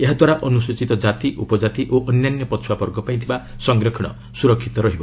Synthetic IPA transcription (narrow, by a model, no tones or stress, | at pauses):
eɦad̪waɾaʔɔnuswot͡ʃit̪ɔd͡ʒat̪iʔupɔd͡ʒat̪iʔoʔɔnjanjɔpɔt͡ʃʰuwapɔɾɡɔpaĩt̪ʰiba | sɔŋɡɾɔkʰɔɽ̃ɔ̰ | suɾɔkʰːit̪ɔɾɔɦibɔ